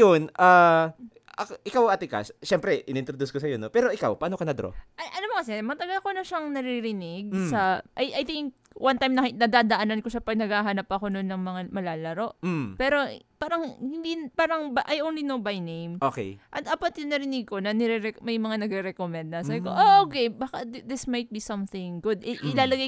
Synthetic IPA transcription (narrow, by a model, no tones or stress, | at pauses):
jonʔa | ɐʔɪkawɐt̪ɪka̰sʃɛmpɾɛʔɪ̰nʔɪnt̪ɾod̪uskosɐjonopɛːɾo̞ʔɪkawpɐʔaːno̞kɐnɐd̪ɾo̰ʔɐʔɐlomokɐsɛmɐɐt̪ɐɡalko̞nɐʃaŋnɐɾiiɾɪnɪɡ̚sɐʔɐjʔajθɪŋk̚ | wʔɐnt̪ajmnɐnɐd̪aːd̪ɐʔanɐnko̞ʃɐpɐɡ̚nɐɡaːɦɐnapːɐʔɐko̞nonːɐŋmɐŋamɐlaːlɐɾo̞ʔ̩pɛːɾo̞paːɾɐŋhɪnd̪ipaːɾɐŋbʔajʔownlinowbajnejmʔokɛ̰jʔɐt̪aːpɐt̪jʊŋnɐɾɪnɪɡ̚ko̞nɐnɛɾɛɾɛmɐjmɐŋanɐɡɾɛɾɛkomɛnd̪̚nɐs̬aːbɪkoʔoʔokebakɐd̪ɪsmɐjt̪̚bisɐmθɪ̃ŋɡʊd̪ʔɛʔɪlaːlɐɡaj